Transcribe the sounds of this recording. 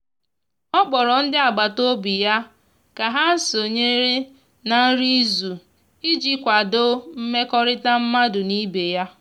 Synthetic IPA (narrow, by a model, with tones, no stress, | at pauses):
ɔ˦bɔ˨ɾɔ˨n̩˦dɪ˦a˨ɡ͡ba˨to˦bi˨ja˦ | ka˨ɦa˦so˨ɲe˦ɾe˦ | na˨n̩˦ɾi˦zu˨ | i˦d͡ʒi˦kʷa˨do˦m̩˦me˦kɔ˦ɾɪ˦ta˦m̩˦ma˦dʊ˨ni˦be˨ja˦